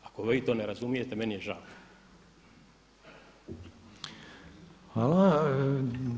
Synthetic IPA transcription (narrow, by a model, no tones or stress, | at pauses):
ako̞ʋiːt̪o̞ːneɾazumije̞t̪emenijeʒaw | xʋaːla